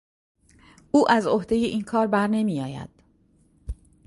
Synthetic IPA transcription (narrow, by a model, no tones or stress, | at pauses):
ʔuːʔæzohd̪e̞je̞ʔiːnkʰɒːɾbæɾne̞miːjɒːjæ̰d̪̥